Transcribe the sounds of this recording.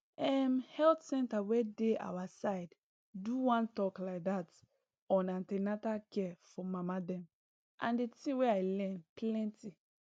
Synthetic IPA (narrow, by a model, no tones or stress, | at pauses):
ɛmhɛltsɛ̃ntawedea̰wasaɪd | duwãntɔklaɪk̚dat | ɔ̃nãntɛnatakɛfɔmamadɛ̃m | ʔã̰ndetĩweaɪlɛ̃nplɛ̃nti